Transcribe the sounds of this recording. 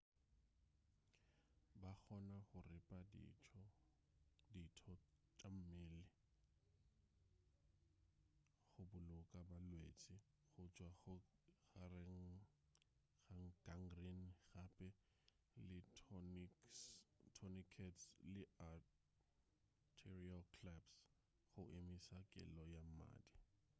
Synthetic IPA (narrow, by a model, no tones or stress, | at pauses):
bak͡xʰɔnaχʊrɪpʼad̰ʰɔ | ditʰɔt͡ʃʼam̩mɪlɪ | χʊbʊlʊkʼabalwet͡sʼɪ | ɣʊt͡ʃʼwaʊɣarɪŋ̩ | ɣaŋ̩ɡ̥aŋɡrinɣapʼɛ | lɪnistʰɔnikʰɛtslɪa | tʰɛrialkʰlaps | χʊʔemisakʼɪ̰lɔjama̰ːdi